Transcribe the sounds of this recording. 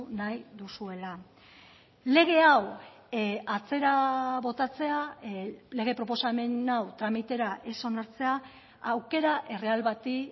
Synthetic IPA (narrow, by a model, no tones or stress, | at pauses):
najðusue̞la | le̞ɣ̞e̞aw | at͡se̞ɾaβo̞t̪at͡se̞a | le̞ɣ̞e̞pɾo̞po̞same̞nawt̪ɾamit̪e̞ɾaʔe̞so̞naɾt͡se̞a | wke̞ɾaʔe̞re̞alβat̪i